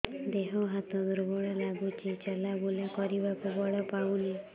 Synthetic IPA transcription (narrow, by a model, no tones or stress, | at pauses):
d̪eɦɔɦat̪ɔ̃d̪uɾbɔɭalaɡut͡ʃit͡ʃalaboljakɔɾibakubɔɭɔpauni